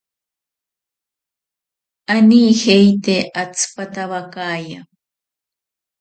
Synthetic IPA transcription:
aniːhejt̪eʔat͡sʰɨ̥pat̪aβakaːja

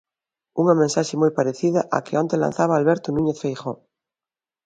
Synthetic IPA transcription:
uŋɐmẽnsaʃemojpaɾeθiðaʔa̰keont̪ela̰nθaβaːlβeɾt̪onũɲeθfejxo

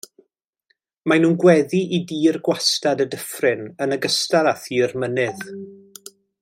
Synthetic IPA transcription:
manuːnɡwɛðiʔidiːrɡwastadədəfrɪnənəɡəstaɾaθiərmənɪð

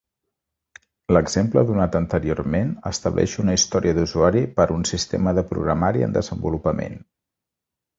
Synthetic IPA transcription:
ləɡz̥empləðunat̪ənt̪əɾioɾmenə̰st̪əβlʔɛ̰ʃunəist̪ɔɾiəðuzuaɾipəɾunsist̪ḛməðəpɾṵɣɾəmaɾiə̰nd̪əzəmbulupəmḛn

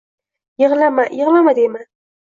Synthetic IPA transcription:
jɨʁlamajɪʁlamad̪ejma

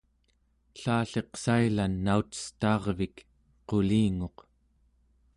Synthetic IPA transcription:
ɬaːɬe̞qsailanːaut̪ə̥st̪ɑːʁvik | qo̞liːŋo̞q

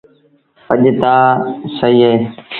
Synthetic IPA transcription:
əʄt̪aːsəiːeː

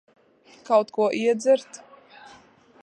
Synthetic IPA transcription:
kawt̪kuɔʔiɛd̪zɛɾt̪

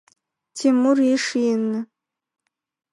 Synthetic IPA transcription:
tʰimuriʂijnːɨ

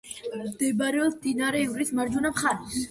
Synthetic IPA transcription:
d̪̥ɛbaɾɛɔsd̪inaɾɛvɾismaɾd͡ʒunapχaɾis

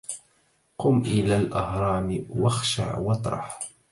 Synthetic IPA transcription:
qʊmʔɪlaːlʔɑhɾˤɑːmɪwɑxʃa̰ʕwɑt̪ˤɾˤɑ̰ħ

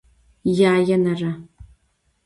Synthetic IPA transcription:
jaːjɐnɐrɐ

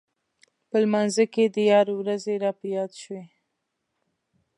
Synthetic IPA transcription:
pəlmanzəked̪əjɑɾewɾazeɾɑpəjɑd̪ʃwe

